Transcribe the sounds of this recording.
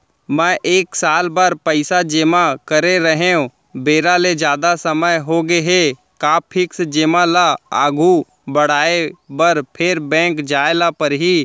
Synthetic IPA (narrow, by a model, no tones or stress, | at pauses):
mɛ̃ʔeːksaːlbaɾpəɪsad͡ʒeːmakəɾeɾəɦeõ | beːɾaled͡ʒjaːd̪asəməjɦoːɡeɦe | kaːpʰɪksd͡ʒeːmãlaaːɡʱu | bəɽaːebəɾpʰɪɾbɛ̃ːŋkd͡ʒaːelapəɾɦiː